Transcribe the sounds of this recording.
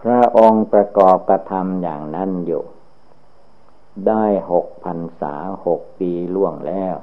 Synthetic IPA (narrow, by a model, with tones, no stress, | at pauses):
pʰɾa˧˥˧ʔo˧ŋpɾa˧kɔː˨˩p̚kɾa˧t̪ʰa˧mjaː˨˩ŋna˦˥˨njṵː˨˩ | daː˥˩jho˨˩k̚pʰa˧nsa̰ː˩˦ho˨˩k̚piː˧lu˥˩əŋlɛː˧˥˩w